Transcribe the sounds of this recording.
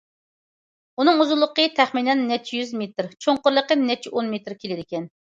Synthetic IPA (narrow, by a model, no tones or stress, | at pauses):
unɨŋuzulˠːəqət̪ʰɛχminɛnːɛt͡ʃʰːijyzmet̪ɾt͡ʃʰoŋqʊɾlˠəqənɛt͡ʃʰiʔonmet̪ɾkʲelɪd̪ɪkʲɛn